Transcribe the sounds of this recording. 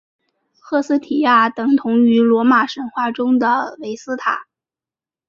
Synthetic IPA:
xɤ˥˧sɹ̩˥t̪ʰi˨˩ja˥˩t̪ɤ˧˩ŋt̪ʰʊ˧˥ŋy˧˥lwɔ˧˥ma˨˩ʂə˧˥nxwa˥˩ʈ͡ʂʊ˥ŋd̪ə˨we˧˥ɪsɹ̩˥t̪ʰa̰˨˩˦

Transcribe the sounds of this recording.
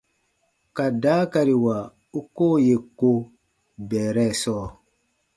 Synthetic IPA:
ka˨da˨˦ka˨ɾi˨wa˨ | u˦ko˦˨je˨ko˦ | bɛː˨ɾɛ˦˨sɔː˦˨

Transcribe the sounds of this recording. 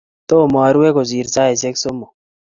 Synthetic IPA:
t̪o˦˨maː˨ɾu˦we˦ko˨ziː˨ɾsa˦e˨se˦kso˦mo˨

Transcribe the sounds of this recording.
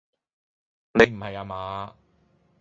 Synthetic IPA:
ne˨˧jm̩˨˩hɐ˨jaː˨˧maː˨˥

